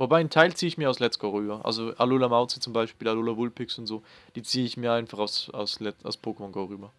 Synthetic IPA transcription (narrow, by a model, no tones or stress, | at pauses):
vobaɪntʰaɪlt͡siːəɪçmiːɐaʊslɛt͡sɡ̥aʊʁyːbɐʔa̰lzoʔaloːlamaʊt͡sət͡sʊmbaɪʃpiːlaloːlavʊlpɪksʊntz̥oː | d̥iːt͡siːəɪçmiːɐaɪnfaχaʊsa̰ʊslɛa̰ʊspʰoːkəmɔnɡaʊʁyːbɐ